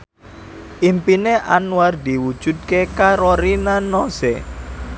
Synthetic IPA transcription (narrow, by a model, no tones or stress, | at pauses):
ʔimpineʔanward̪iwud̥ʒ̥ṳd̪̚kekaɾoɾinanosḛ